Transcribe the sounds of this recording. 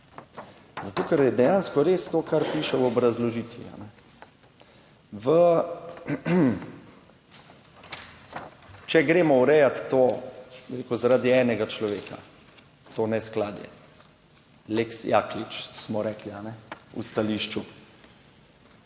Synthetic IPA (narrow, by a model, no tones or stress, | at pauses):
zat̪oːkɛɾjɛd̪ɛjanskɔɾeːst̪oːkaɾpiːʃɛwɔbɾazlɔʒiːt̪ʋḭa̰nɛ | ʋə | t͡ʃɛɡɾeːmɔwɾɛjat̪ːobiɾeːkuzaɾaːd̪iɛːnɛɡat͡ʃlɔʋeːka̰ | t̪oːnɛsklaːd̪jɛ̰ | leksjaklit͡ʃsmɔɾɛːklianɛṵst̪aliːʃt͡ʃu